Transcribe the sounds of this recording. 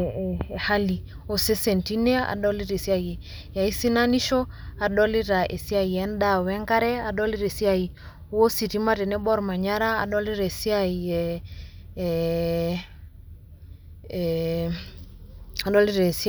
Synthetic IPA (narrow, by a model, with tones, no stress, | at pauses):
ha˦li˨ | o˨se˦sɛ˨nti˦nɛ˦a̰˨ɗɔ˦li˦ɾe˨si˦a˨jɛ˨ja˨i˦si˦na˦ni˦ʃɔ˦a˨ɗɔ˦li˦ɾa˨ʔe˨si˦a˨i˨ɛ˨˦n˦ɗa˦˨wɛ˦ŋka˦ɾɛ˦a˦ɗɔ˦li˦ɾe˨si˦a˨i˨˦ | wo˦si˨ti˦ma˦tɛ˨nɛ˦ɓɔ˦ɾma˨ɲa˦ɾaː˦˨ɗɔ˦li˦ɾe˨si˦a˦˨i˨ | a˨ɗɔ˦li˦ɾa˨e˨s